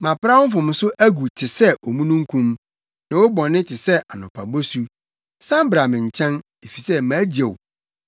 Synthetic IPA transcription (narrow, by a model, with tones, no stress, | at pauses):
mã˨pɾa˦wʊ˦fʊ̃˨m̃˨sʊ˦ʔæ˦ɡu˨tʰɪ˨sɛ˦ʔɔ˨mũ˦nũ˦ŋ̩˦kʰũ˦m | nã˨wɔ˦bɔ̃˨nːɪ̃˦tʰɪ˨sɛ˦ʔa˨nʊ̃˨pʰa˨bo˦su˦ | sã˦m˦bɾa˨mɪ̃˨ɲ̩˨t͡ɕʰã˦n | e˨fi˨sɛ˦mã˨˦d͡ʑe˨w